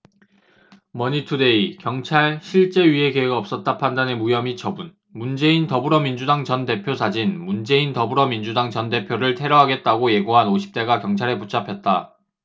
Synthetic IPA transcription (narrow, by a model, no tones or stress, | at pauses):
mʌɲitʰude̞ikjʌŋt͡ɕʰaɭɕʰiɭt͡ɕ͈e̞ɥie̞ɡeeɡɯʌp̚s͈ʌt̚t͈apʰandanɯmujʌmit͡ɕʌbun | mund͡ʑe̞intʌbuɾʌmind͡ʑudaŋt͡ɕʌnde̞pʰjosʰad͡ʑinmund͡ʑe̞intʌbuɾʌmind͡ʑudaŋt͡ɕʌnde̞pʰjoɾɯɭtʰe̞ɾʌɦaɡe̞t̚t͈aɡoje̞ɡoɦanoɕʰi̥p̚t͈e̞ɡakjʌŋt͡ɕʰaɾe̞put͡ɕʰapʰjʌt̚t͈a